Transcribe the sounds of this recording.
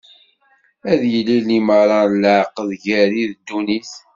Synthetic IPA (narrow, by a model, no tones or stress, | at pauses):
æðjəlːiliməɾˤɑləʕqəðʝæɾiðd̪ːunis